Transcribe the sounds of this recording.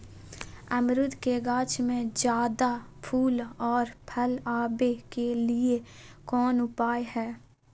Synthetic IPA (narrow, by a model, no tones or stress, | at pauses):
ɐmɾʊd̪keɡaːt͡ʃmẽd͡ʒjaːd̪apʰuːlɔːɾpʰəlaːbekeliekɔːnʊpaːehɛː